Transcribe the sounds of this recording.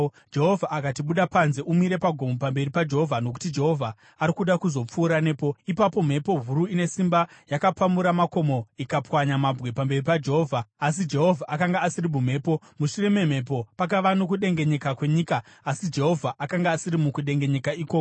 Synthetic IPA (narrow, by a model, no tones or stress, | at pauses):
d͡ʒe̞ɦo̞vʱaʔakatiɓuɗapanze̞ʔumiɾe̞paɡʱo̞mopambe̞ripad͡ʒe̞ɦovʱano̞k̬u̥tid͡ʒe̞ɦo̞vʱaː | ɾikuɗakuzo̞p͡fuːɾane̞ːpo̞ipapo̞m̤e̞po̞ɦuɾuine̞simbajakapamuɾamako̞mo̞ikapwaɲamabwe̞pambe̞ripad͡ʒe̞ɦoːvʱaːsid͡ʒe̞ɦo̞vʱaʔakaŋɡaːsiɾimum̤e̞ːpo̞ | muʂure̞me̞m̤e̞p̬o̞pak̬aʋano̞kuɗe̞ŋɡe̞ɲe̞kakwe̞ɲiːkaːsid͡ʒe̞ɦo̞vʱaʔakaŋɡaːsiɾimukuɗe̞ŋɡe̞ɲe̞kaiːkoko